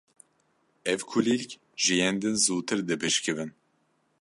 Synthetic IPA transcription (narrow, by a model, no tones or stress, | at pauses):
ɛvkʰulilkʲ | ʒɨjɛnd̪ɨnzuːt̪ʰɨɾd̪ɨpʰɨʃkɨvɨn